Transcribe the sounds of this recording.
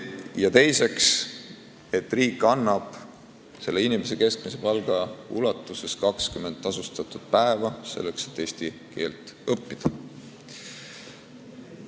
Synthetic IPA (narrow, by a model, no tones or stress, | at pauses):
jɑt̪e̞jse̞ks | e̞t̪ːˑriːkːˑɑnːɑb̥ | se̞lːeinimese̞ke̞sk̚mise̞pɑlɡ̥ɑṵlɑt̪ːˑuse̞skɑkskyme̞nd̪ːˑɑsust̪ɑt̪ud̪̥̚pæevɑse̞lːe̞kse̞̥t̪ːˑeːst̪i | ke̞ːlt̪ːˑɤpːid̪̥ɑ